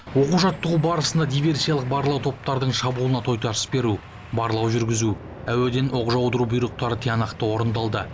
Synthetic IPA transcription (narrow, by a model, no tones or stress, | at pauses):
wo̞quʒɑt̪ːəʁubɑɾəsənd̪ɑd̪ijvʲe̞rsijalˠəq̚bɑɾlˠɑwt̪ʰo̞p̚t̪ɑɾd̪əɴʃɑbulˠənɑt̪ʰo̞jt̪ɑɾə̥sbe̞ɾu | bɑɾlˠɑwʒʏɾɡʲɪzu | æwe̞d̪e̞nʔo̞qʒɑwd̪əɾubijɾəq̚t̪ɑɾət̪ʰijɑnɑqt̪əwo̞ɾənd̪ɑlˠd̪ə